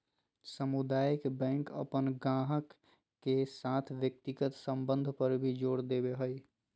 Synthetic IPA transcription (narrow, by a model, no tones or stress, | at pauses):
səmud̪aːjəkbɛ̃ːkə̰pənɡãːɦəkː | esaːt̪ʰwjək̚t̪ɪɡət̪sə̃mbə̃nd̪ʱpəɾbʱid͡ʒoːɽd̪eːbeɦoi